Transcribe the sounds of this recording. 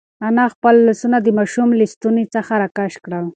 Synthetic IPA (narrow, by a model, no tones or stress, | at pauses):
anaxpəlːasunad̪əmaʃumlist̪unit͡səxaɾakaʃkɽal